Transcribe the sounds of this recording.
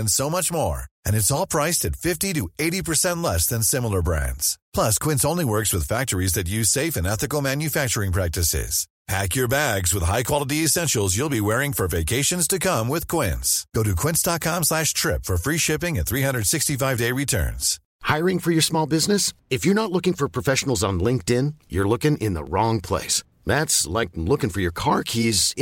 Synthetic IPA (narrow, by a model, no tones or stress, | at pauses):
ɨ̃nsoʊmʌt͡ʃmɔ̰ɹɨ̃nɨtsɔlˠpʰɹ̥aɪstɨtfɪftiɾɨeɪɾipʰə˞sɛ̃ntˡlɛsðɨ̃nsɪ̃ml̩ˠə˞bɹæ̰̃ndz̥pʰl̥ʌskʰw̥ɪ̃ntsõʊ̃nliwɜ˞kswɨð̥fæk̚t͡ʃə˞izðɨt̬jʉz̥seɪfɨ̃nɛθɨkl̩ˠmæ̃njɨfæk̚t͡ʃə˞ɪ̃ŋpʰɹ̥æk̚tɨsɪ̰z̥ | pʰækjə˞bæɡzwəð̥ɦaɪkʰw̥ɑlˠəɾiɨsɛ̃nʃl̩ˠzjulˠbiwɛɹɪ̃ŋfə˞veɪkʰeɪʃɨ̃nz̥tʰɨkʰʌ̃mwɪð̥kʰw̥ɪ̰̃nsɡ̥oʊɾɨkʰw̥ɪ̃nsd̥ɑt̚kʰɑ̃mslæʃtʰɹ̥ɪpfə˞fɹiʃɪpɪ̃ŋɨ̃nθɹiɦʌ̃ndɹəd̥sɪkstifaɪvdeɪɹitʰɜ̰̃˞nz̥ | haɪəɹɪ̃ŋfə˞jə˞smɔlˠbɪznɨsɨfjə˞nətˡlʊkɪ̃ŋfə˞pʰɹ̥ɔfɛʃn̩l̩ˠzn̩lɪ̃ŋk̚tɪ̃njə˞lʊkɪ̃ŋʔɪ̰̃nðə̰ɹɔ̃ŋpʰl̥ḛɪs | ðætslaɪk̚lʊkɪ̃ŋfə˞jə˞kʰɑɹkʰiz